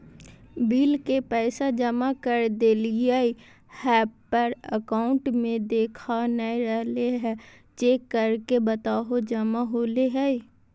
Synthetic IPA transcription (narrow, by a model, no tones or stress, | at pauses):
biːlkepɛːsad͡ʒəmakəɾd̪eːliai | hɛːpːəɾə̰kaːʊ̃ɳʈmẽd̪eːkʰanəiɾɛɦleɦɛ | d͡ʒeːkːəɾkebət̪aːɦod͡ʒəmaɦoːleɦɛi